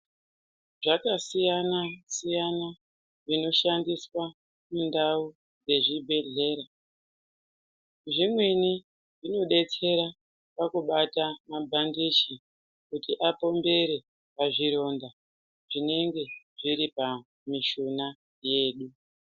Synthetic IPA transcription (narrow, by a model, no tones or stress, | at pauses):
ʐakasijanasijana | ʐino̞ʃandiswa | mundau | d͡ze̞ʐibʱe̞ɮe̞ːɾa | ʐimweni | ʐino̞ɗe̞t͡se̞ɾa | pakuɓatamabʱandit͡ʃi | kutiʔapo̞mbe̞ɾe̞ | paʐiɾo̞ːnda | ʐine̞ŋɡe̞ | ʐiɾipa | miʃuna | je̞ːɗu